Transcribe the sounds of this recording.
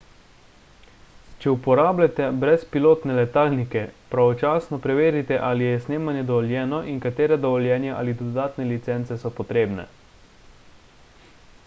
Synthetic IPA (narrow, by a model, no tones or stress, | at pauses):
t͡ʃɛupɔɾaːblat̪ɛbɾɛspiloːt̪nɛlɛt̪aːlnikɛpɾaʋɔt͡ʃaːsnɔpɾɛʋeːɾit̪ɛʔaːlijɛsneːmanjɛd̪ɔʋɔljɛːnɔʔiŋkat̪eːɾɛd̪ɔʋɔljɛːnjɛʔa̰ːlid̪ɔd̪aːt̪nɛlit̪sɛnt̪sɛsɔpɔt̪ɾeːbnɛ̰